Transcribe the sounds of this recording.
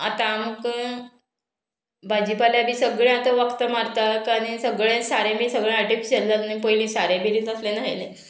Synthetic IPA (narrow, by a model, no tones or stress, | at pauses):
a̰t̪aməɡ | bʱad͡ʑipaljabʱiːsəɡɭẽat̪əʋəkt̪əmaɾt̪akaɽ̃isəɡɭẽsaɾẽbisəɡɭẽaɾʈifiɕəlːəlnĩpəɦjlĩsaɾẽbiɾĩt̪əslenaɦele